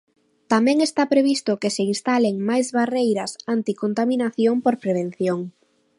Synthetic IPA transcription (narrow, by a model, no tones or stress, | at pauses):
t̪amɛ̃ŋest̪apɾeβist̪ʊkeseinst̪aleŋmajzβarejɾɐsant̪ikont̪aminaθjompoɾpɾeβ̞en̟θjoŋ